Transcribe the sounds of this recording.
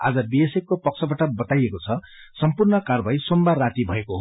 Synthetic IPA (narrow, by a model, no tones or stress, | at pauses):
a̰d͡zʌbiesekːopʌk̚sʰʌbaʈʌbʌt̪ajekot͡sʰʌ | sʌmpurnʌkarbʱajsombarat̪ibʱʌekoɦo